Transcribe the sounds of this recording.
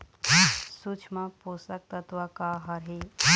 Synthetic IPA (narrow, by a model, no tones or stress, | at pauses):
sut͡ʃʰmãposak̚t̪ət̪ʋakaɦəɾɦi